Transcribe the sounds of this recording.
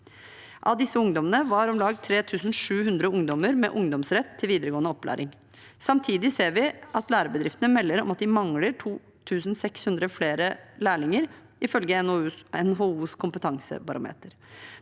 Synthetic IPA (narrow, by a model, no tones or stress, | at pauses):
ʔɑd̪ɪsːəʊŋd̪ɔmənəʋɑɾɔmlɑːɡt̪ʰɾeːt̪ʰʉːsn̩ʂʉːhʉnd̪ɾəʊŋd̪ɔməɾmɛ̰ʔʊŋd̪ɔmsɾɛt̪ʰːɪlʋiːd̪əɾəɡoːnəɔpːlæ̰ːɾʔɪŋ | sɑmt̪ʰiːd̪ɪseːɾʋɪʔɑt̪læːɾəbəd̪ɾɪft̪ənəmɛlːəɾɔ̰mɑt̪̚d̪ɪmɑŋləʈʰuː | t̪ʰʉːsn̩sɛkshʉnd̪ɾəfleːɾəlæːɭɪŋəɾ | ɪfœlɡəɛnɦoːuːskʰʊmpət̪ʰɑŋsə̰bɑɾʊ̰mḛːt̪əɾ